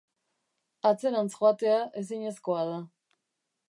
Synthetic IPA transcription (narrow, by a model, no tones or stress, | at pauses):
at͡se̞ɾansxoat̪e̞aʔe̞s̬iɲe̞sko̞að̞a